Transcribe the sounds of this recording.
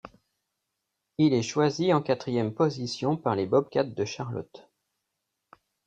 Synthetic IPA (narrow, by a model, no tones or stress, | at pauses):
ilɛʃwaziɑ̃kat̪χijɛmpɔzisjɔ̃paʁlebɔb̚kʲat̪̚d̪əʃaʁlɔ̰t̪